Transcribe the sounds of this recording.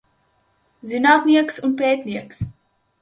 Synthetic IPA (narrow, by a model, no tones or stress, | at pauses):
zinɑːt̪niəksunpɛːt̪niəks